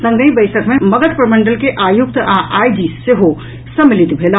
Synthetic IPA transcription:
sə̃ŋɡəĩbəɪsəkmeməɡət̪pɾəməɳɖəlkeʔajuk̚t̪aʔajd͡ʒiseɦo | səmilit̪bʱel

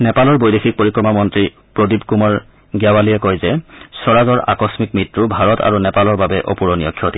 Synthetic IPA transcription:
nɛpalɔɹbojdexik̚poɹikɹɔmamɔntɹi | pɹodibkumɔɹ | ɡjawalijɛkojzɛsɔɹazɔɹa̰kɔsmik̚mɹitɹubʱaɹɔtʰa̰ɹunɛpalɔɹbabɛʔopuɹɔnijɔkʰːjɔtʰi

